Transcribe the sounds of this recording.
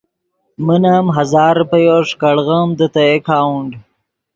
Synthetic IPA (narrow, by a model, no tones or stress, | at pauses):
mənamɦazɑːɾpəjoʂkɐɽɣəmd̪ət̪ɐjekʰaːwuɳɖ